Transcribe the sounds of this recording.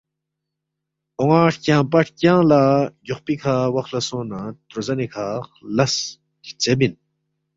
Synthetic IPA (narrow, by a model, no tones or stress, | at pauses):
oŋaːʈkʲãːp̬ɐʈʰkʲãːlaːjoχpikʰaːwɐxlɐsõːnat̪ɾozɐnikʰaːχlɐs | ki̥t͡sebin